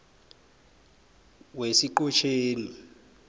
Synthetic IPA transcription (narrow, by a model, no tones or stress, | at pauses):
wesiǃut͡ʃʰeːni